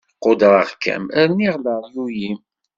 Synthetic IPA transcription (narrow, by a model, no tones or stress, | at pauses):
qːod̪ɾˤəʁkːæ̰mæɾniʁləɾˤjujim